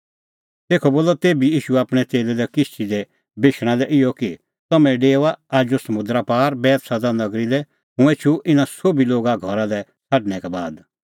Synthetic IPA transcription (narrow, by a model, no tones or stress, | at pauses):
t̪eːkʰɔboːlɔt̪eːbijiːʃuaːpɽ̃ɛt͡ʃeːlɛdɛkɪst͡ʃʰid̪ɛ | bɪʃɽ̃ãlɛʔɪjɔki | t̪ɐmɛ̃ɖeːʋaaːd͡ʒosɐmʊ̃d̪ɾapaːɾbɛːt̪sɐd̪anɐɡɾilɛ | ɦũeːt͡ʃʰuʔɪnãsoːbiloːɡaɡʱɔɾalɛ | sʰɐʈɽ̃ɛkɛbaːd̪